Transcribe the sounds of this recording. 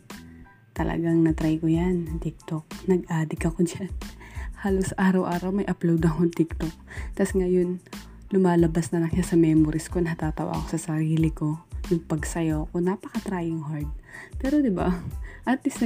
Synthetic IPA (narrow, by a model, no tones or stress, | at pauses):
t̪ɐlʔɐ̰ɡaŋnɐt̪ɾajkojant̪ɪk̚t̪ok̚nɐɡ̚ʔaːd̪ɪkɐko̞d͡ʒanhaːlosʔaːɾɐwʔaːɾɐwmɐjʔɐplowd̪ɐkont̪ɪk̚t̪ok̚t̪ɐsŋɐjo̞n | lʊmaːlɐbasnɐlɐŋʃasɐmɛːmoɾɪskonɐhɐt̪aːt̪ɐwa̰ːɐko̞sɐsɐɾiːlɪko̞jʊŋpɐɡsɐjoːkonapɐkɐt̪ɾaːjɪŋhaɹd̪̚pɛːɾod̪ɪba̰ʔɐt̪lɪsnɐ